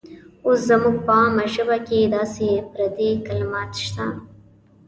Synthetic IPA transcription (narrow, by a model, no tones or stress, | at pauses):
ʊszamuɡ̚pamaʒəbaked̪ɑːsepɾad̪ikalmɑt̪ʃt̪a